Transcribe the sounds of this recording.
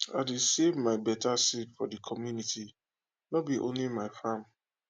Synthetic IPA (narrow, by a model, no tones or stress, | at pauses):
aɪdesevmaɪbɛtasetfɔdikʰɔmjunitʰi | nɔbiʔõ̰nlimaɪfãm